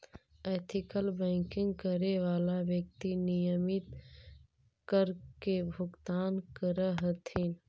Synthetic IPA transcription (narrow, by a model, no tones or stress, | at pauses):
ɛːt̪ʰɪkəlbɛ̃ːŋkɪ̃ŋɡkəɾeʋaːlaʋjək̚t̪inɪjəmɪt̪ | kəɾkebʱʊɡt̪aːnkəɾəɦət̪ʰin